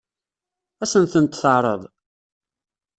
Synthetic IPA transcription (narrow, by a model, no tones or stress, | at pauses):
æsənθənt̪θəʕɾˤəðˤ